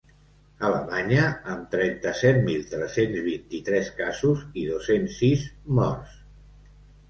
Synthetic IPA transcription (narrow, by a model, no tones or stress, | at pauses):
ələmaɲəəmt̪ɾɛnt̪əsɛt̪milˠt̪ɾɛsenzβint̪it̪ɾɛskazuziðosensːizmɔrs